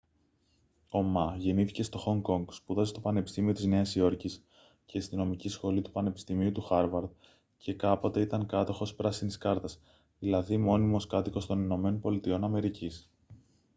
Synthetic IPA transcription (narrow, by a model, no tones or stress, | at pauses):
o̞mɐʝe̞niθice̞st̪o̞xo̞ŋɡo̞ŋɡspuðɐzst̪o̞pɐne̞pist̪imio̞t̪izne̞ɐsio̞ɾcis | ce̞st̪ino̞micisxo̞lit̪u̥pɐne̞pi̥st̪imiut̪uxɐɾvɐɾð | cʰe̞kɐpo̞t̪e̞it̪ɐŋkɐt̪o̞xo̞spɾɐsiniskɐɾt̪ɐs | ðilɐðimo̞nimo̞skɐt̪iko̞st̪o̞nino̞me̞nonpo̞lit̪io̞nɐme̞ɾicis